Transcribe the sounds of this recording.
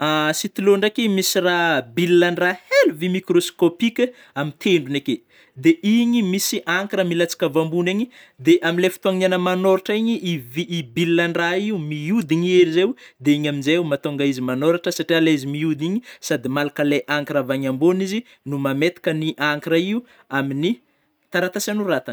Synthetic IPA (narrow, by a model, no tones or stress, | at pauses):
asit̪iloɳɖ͡ʐekimisirabilːaɳraheluvimikɾoskopikʲə | amit̪ʰeɳɖ͡ʐuneke | d̪eʔiɲimisiʔaŋkiɾəmilat͡si̥kavambuneɲi | d̪eʔaminlefi̥t̪uaŋinanəmanoɾaʈ͡ʂaiɲiʔiviːbilːaɳɖ͡ʐaiumiud̪iɲieɾizewd̪eiɲaminzewumat̪oŋɡaizimanoɾaʈ͡ʂəsaʈ͡ʂialeizimiud̪iɲisad̪imalakəleʔaŋkaɾavaɲambonizi | numamet̪i̥kəniʔaŋkaɾaiu | amini | t̪aɾat̪asanurat̪an